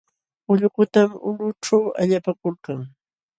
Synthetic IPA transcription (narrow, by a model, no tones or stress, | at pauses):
ʊʎkʊt̪amʊnʊʈ͡ʂawa̰ʎapakʊlkaŋ